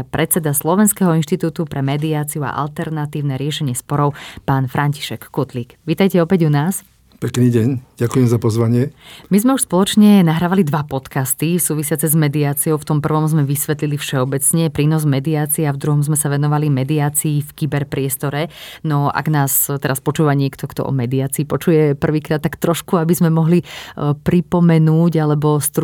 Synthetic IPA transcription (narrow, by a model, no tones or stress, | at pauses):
pɾʔɛt͡sɛd̪aslɔʋɛnskɛɦɔinʃt̪it̪uːt̪upɾɛmɛd̪iaːt͡siua̰ʔa̰lt̪ɛɾnat̪iːʊnɛɾɪɛʃɛɲɪɛspɔɾɔʊpaːnfɾʔaɲci̥ʃɛkːut̪liːkʋiːt̪ajcɛɔpɛɟunaːs | pɛkniːɟɛɲɟakujɛmzapɔzʋaɲɪɛmizmɛuʃspɔlɔt͡ʃɲɛnaɦɾaːʋalid̪ʋapɔt̪kast̪isuːʋisɪat͡sɛzmɛd̪iaːt͡siɔʊft̪ɔmpr̩ʋɔmzmɛʋisʋɛt̪lilifʃɛɔbɛt͡sɲɛpɾiːnɔzmɛd̪iaːt͡siɛavd̪ɾuɦɔmzmɛsaʋɛnɔʋalimɛd̪iaːt͡siːfkibɛɾpɾɪɛst̪ɔɾɛnɔa̰ɡnaːst̪ɛɾaspɔt͡ʃuːʋaɲɪɛkt̪ʰɔkt̪ɔ̰ʔɔ̰mɛd̪iaːt͡siːpɔt͡ʃujɛpr̩ʋiːkɾaːt̪ːakt̪ɾɔʃkuabizmɛmɔɦlipɾipɔmɛnuːɟalɛbɔst̪ɾ